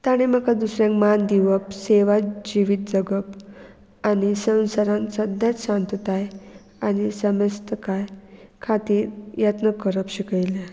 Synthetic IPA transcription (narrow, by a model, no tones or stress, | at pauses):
t̪aɽ̃em̤akad̪usɾjãŋkmand̪iʋəpseʋad͡ʑiʋit̪̚d͡zəɡəp | anisə̃w̃saɾãnsəd̪ʱãt͡sɕãnt̪ət̪aj | anisəməst̪əkajkʰat̪iːɾjət̪nəkəɾəpɕikəjle